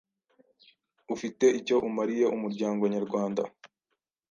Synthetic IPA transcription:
ufite̞ʔico̞ʔumaɾije̞ʔumuɾɟaːŋɡo̞ɲaɾɡwaːnda̰

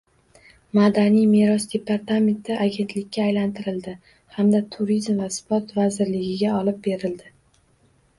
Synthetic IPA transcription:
mad̪anijmeɾɒsd̪e̞paɾt̪ame̞nt̪ʰɪʔaɡʲe̞nt̪lɪkʲːaːjlant̪ʰɪɾɪld̪ɪ | hamd̪at̪ʰʊɾizmvaspɒt̪vazɪɾlɪɡʲɪɡʲaɒlɪp̚be̞ɾɪld̪ɪ

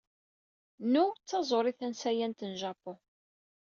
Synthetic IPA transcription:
nut͡sːɑzˤoɾˤiθænsæjænt̪ənʒɑpːo

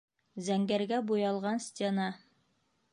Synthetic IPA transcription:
zæŋɡæɾɡæbujɑlˠʁɑnsʲtʲenɑ

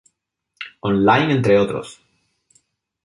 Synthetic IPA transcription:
õnlajnent̪ɾeot̪ɾo̰s

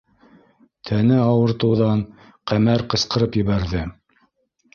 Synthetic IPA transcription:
t̪ʰænɘɑwɤ̆ɾt̪ɤ̆wðɑn | qæmæɾqɤ̆sqɤ̆ɾɤpjɘ̆βæɾðɘ

